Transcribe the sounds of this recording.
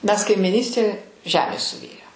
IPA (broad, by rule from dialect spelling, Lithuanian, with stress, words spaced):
ˈmʲɛs kɐɪmʲɪˈnʲiːsʲtʲeː ˈʒʲæːmʲeːs sʊˈʋʲeːjoː